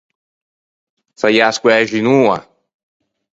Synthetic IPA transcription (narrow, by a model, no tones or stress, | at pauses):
sajaskwɛʒinua̰